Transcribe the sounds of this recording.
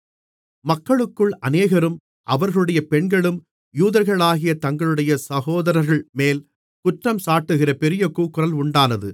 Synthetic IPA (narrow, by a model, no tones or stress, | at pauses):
mɐkːɐɭɯkːɯɭɐneːɣɐɾɯm | ʔɐʋɐɾɣɐɭɯɽɐjɐpɛɳɡɐɭɯm | juːðɐɾɣɐɭaːɣɪjɐt̪ɐŋɡɐɭɯɽɐjɐsɐɣoːðɐɾɐɾɣɐɭmeːl | kʊʈrɐmsaːʈːɯɣɪrɐpɛɾɪjɐkuːkːɯɾɐlʊɳɖaːnɐðɯ